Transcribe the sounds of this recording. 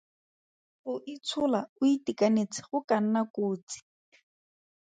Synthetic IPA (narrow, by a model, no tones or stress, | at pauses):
χʊʔit͡sʰʊlaʊitikanet͡sʰɪ̥χʊkan̩nakoːt͡si̥